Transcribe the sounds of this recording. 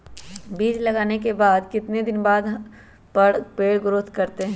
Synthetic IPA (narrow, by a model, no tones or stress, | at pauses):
biːd͡ʒlɐɡaːnek̬ebaːd̪kɪt̪ned̪ɪnbaːd̪ | pɐɽpeːɽɡʊɾʊːt̪kɐɾt̪eɦɛ̃ː